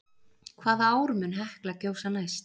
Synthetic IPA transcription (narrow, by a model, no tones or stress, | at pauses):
kʰvaːðaaːwɾmʏnɦɛhklacoːwsanaːjst̪